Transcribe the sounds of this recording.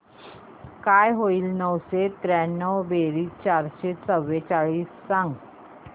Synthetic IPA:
kajɦoiːlnəwset̪ɾanːəwbeɾiːt͡ɕaɾɕet͡səʋːet͡ɕaɭiːsːãŋɡ

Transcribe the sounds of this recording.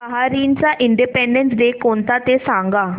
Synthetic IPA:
əɦaːɾiːnt͡ʃaːʔɪɳɖiːpɛ̃ːɳɖɛ̃nsd̪eːkoːnt̪aːt̪eːsãːŋɡaː

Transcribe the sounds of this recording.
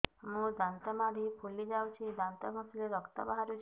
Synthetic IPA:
ɦũd̪ant̪əmaɾipʰulid͡ʒawt͡ʃʰid̪ant̪əməsleɾɔkt̪ə̰baɦaɾjũt͡ʃ

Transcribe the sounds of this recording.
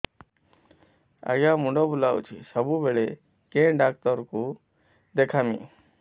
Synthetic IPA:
a̰ɡjãːmũɳɖobulaːw̰t͡ʃʰisəbuːbeɭe | kẽːɖaːk̚t̪əɾku | d̪ekʰaːmḭ̃ː

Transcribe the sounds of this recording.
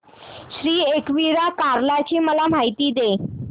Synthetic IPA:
ɕɾiːekʋiɾakaɾlat͡ɕiːməlam̤ʱajt̪iːd̪e

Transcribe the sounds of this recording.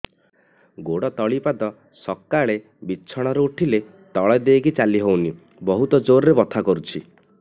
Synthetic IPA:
ɡoɽɔt̪ɔɭipad̪ɔ | sɔkːaɭe | bit͡ʃʰɔɽ̃ɔɾuuʈʰile | t̪ɔɭɔd̪ekit͡ʃaliɦowni | bɔɦut̪ɔd͡ʒoɾɾebɔt̪ʰakɔɾut͡ʃʰi

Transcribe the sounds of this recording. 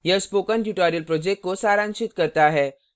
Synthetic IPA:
jəspokənʈuʈaɾijəlpɾod͡ʑek̚ʈ̚kːosaɾãnɕit̪kəɾt̪aːɦɛ

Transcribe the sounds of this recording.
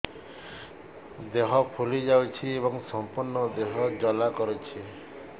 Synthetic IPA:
d̪eɦɔpʰulid͡ʒawt͡ʃʰieβɔŋsɔmpuɾnɔd̪eɦɔd͡ʒɔlakɔɾut͡ʃʰi

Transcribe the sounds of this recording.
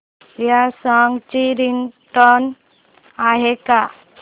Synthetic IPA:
jasaŋɡt͡ɕiɾiŋʈɔn | aɦeka

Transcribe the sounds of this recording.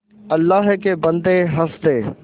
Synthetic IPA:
ɐlːaɦkeːbɐ̃nd̪eɦɐsd̪eː

